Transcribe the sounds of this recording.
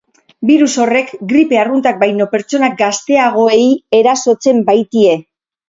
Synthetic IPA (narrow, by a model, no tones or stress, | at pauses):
biɾuso̞re̞kɡɾipe̞arunt̪ak̚bajno̞pe̞ɾt͡so̞nak̚ɡast̪e̞aɣ̞o̞e̞je̞ɾaso̞t͡se̞mbajt̪ie̞